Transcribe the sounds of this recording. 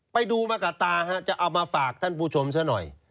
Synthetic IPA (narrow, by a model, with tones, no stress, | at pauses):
pa˧jduː˧maː˧kaː˨˩t̪aː˧ɦa˦˥t͡ɕa˨˩ʔa˧wmaː˧faː˨˩k̚t̪ʰa˥˩npʰuː˧˩t͡ɕʰo˧msʰaː˦˥nɔ̰˨˩j